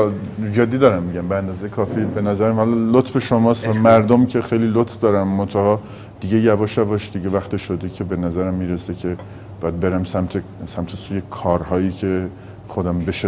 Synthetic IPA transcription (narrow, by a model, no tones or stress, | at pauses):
d͡ʒed̪ːiːd̪ɒːɾæmːiɟæmbeænd̪ɒːzejekʰɒːfibe̞næzæɾæmhɒlɒlot̪feʃomɒːst̪væmæɾd̪omcʰe̞xejlilot̪fd̪ɒːɾæmːont̪ʰæhɒː | d̪̥iɟejævɒʃævɒʃd̪iɟevæxt̪ʰeʃod̪ecʰe̞benæzæɾæmːiːɾesecʰe | bɒːjæd̪̚be̞ɾæmsæmt̪ʰe | sæmt̪ʰesuːjekʰɒːɾhɒːjicʰe | xod̪æmbeʃe